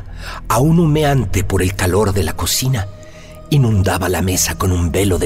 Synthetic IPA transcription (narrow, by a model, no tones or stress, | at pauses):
aunumeant̪e̞po̞ɾe̞lkalo̞ɾðe̞lako̞sina | inũnd̪aβalame̞sako̞numbe̞lo̞ðe